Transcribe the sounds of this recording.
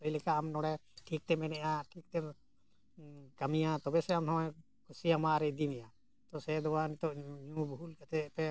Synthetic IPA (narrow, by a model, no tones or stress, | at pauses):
t̪əilɛkaamnɔɽɛʈʰik̚t̪ɛmɛnɛʔjaʈʰik̚t̪ɛ | kəmijãt̪ɔbɛsɛamt̪ʰamɛ̃ | kʰusijamaɾɛd̪inɛja | t̪ɔsɛd̪ɔwanit̪ɔʔɲũbʱulkat̪ɛʔpɛ